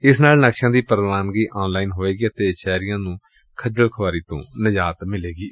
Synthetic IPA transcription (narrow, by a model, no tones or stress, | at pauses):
ɪsnaːlnəkʃãːd̪iːpəɾʋaːnɡiːʔaːnlaːiːnɦoːeːɡiːət̪eːt͡ʃɛːɾɪjãːnũː | kʰəd͡ʒəlkʰəʋaːɾiːt̪õ̰ːnəd͡ʒaːt̪mɪleːɡiː